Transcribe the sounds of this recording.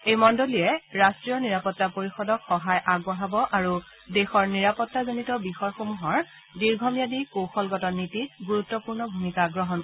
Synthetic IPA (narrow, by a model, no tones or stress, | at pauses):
ejmɔndoliɛɹastɹijɔniɹapɔtːapoɹixɔdɔkxɔɦajʔaɡɔɦabɔʔaɹu | dexɔɹniɹapɔtːazonitɔbixɔɹxomuɦɔɹ | diɹɡʱɔmijadikoxɔlɡɔtɔnːitiɡuɹutːɔpuɹnɔbʱumikaɡɹɔɦɔn